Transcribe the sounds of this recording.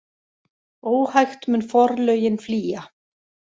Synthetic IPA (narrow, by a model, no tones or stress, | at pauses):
oːwhajxt̪mʏnfɔɾlœɥjɪnfliːja